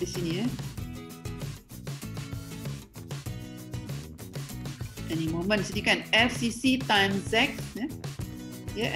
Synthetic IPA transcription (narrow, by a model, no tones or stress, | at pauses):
isĩnjə | ʔɛnimomə̃nsodikɛ̃nɛfsisitãj̃msɛk̚jɛ | jɛʔ